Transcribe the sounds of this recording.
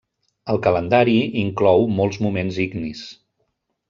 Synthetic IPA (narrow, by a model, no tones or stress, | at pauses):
əlˠkələnd̪aɾiiŋklɔwmɔlˠzmumenziɡnis